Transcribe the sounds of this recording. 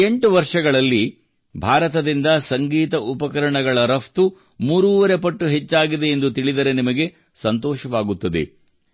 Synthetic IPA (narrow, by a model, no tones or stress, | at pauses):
eɳʈuʋɐɾʂɐɡɐɭɐlːi | bʱaːɾɐt̪ɐd̪ind̪ɐsɐŋɡiːt̪ɐʔupɐkɐɾɐɳɐɡɐɭɐɾɐft̪u | muːɾuːʋɐɾe̞pɐʈːuɦet͡ʃːaːɡid̪e̞ːnd̪ut̪iɭid̪ɐɾe̞nimɐɡe̞ | sɐnt̪ɔːʃɐʋaːɡut̪ːɐd̪ḛ